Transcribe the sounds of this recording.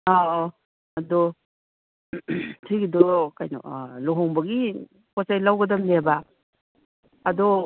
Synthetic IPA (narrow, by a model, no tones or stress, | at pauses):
a | ɐdɔ | tʰiɡidɔkajnɔ̰lɔɦɔŋbɐɡi | kɔsajlawɡɐdɐmleba | dɔ